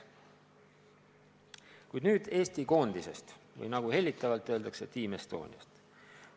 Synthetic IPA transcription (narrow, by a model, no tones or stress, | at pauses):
kujd̪nyːd̪̥e̞ːst̪iko̞ːnd̪̥ise̞̰st̪vɤ̰jnɑɡ̥uhe̞lʲːit̪ːˑɑvɑlt̪ːˑø̞ːld̪ɑkse̞t̪iːmest̪o̞̰ːnʲiɑ̰st̪